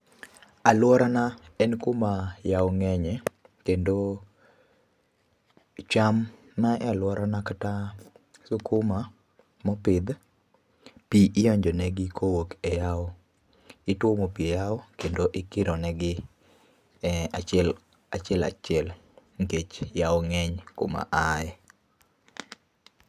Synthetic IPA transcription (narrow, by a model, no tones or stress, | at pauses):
alwɔɾanaɛnkomajaoŋɛɲɛkendo | t͡ʃam | naɛlwɔɾanakata | sʊkʊma | mɔpɪd̪ | piʔɪjɔɲd͡ʒɔnɛɡɪkʰowokɛjao | ɪtwomopiejaokendoʔɪkɪɾɔnɛɡɪ | at͡ʃɛl | at͡ʃɪɛla̰t͡ʃɪɛl | ŋket͡ʃjaoŋɛɲko̰ma̰ʔaɛ